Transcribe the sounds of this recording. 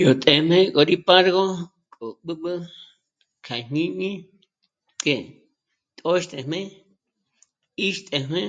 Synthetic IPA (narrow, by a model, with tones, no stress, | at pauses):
jo˨t̪ʼe˨m̥ẽ˦kʼo˨ɾi˦pa˦ɾɣo˦ | kʼo˨ɓɨ˦ɓɨ˦ | kʰa˨ɲ̥ĩ˦mĩ˦ | ke˧ | t̪ʼo˦ʃt̪ʼe˧m̥ẽ˦ | i˦ʃt̪ʼe˧m̥ẽ˦